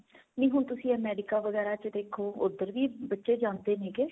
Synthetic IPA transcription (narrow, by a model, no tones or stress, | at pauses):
nĩːɦʊɳt̪ʊsĩːɛːmɛːɖɪkaːʋəɡɛːɾaːt͡ʃd̪eːkʰoːʊd̪ːəɾʋiːbətːʃeːd͡ʒãːnd̪eːnẽːkeː